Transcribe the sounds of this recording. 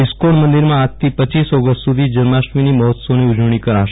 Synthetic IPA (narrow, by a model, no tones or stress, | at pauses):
iskoɽmənd̪iɾmãːt̪ʰːipət͡ʃisɔɡəst̪sud̪ʱid͡ʒəɾmaʃʋiniməɦɔt̪soniud͡ʒʋɳ̃ikəɾaʃe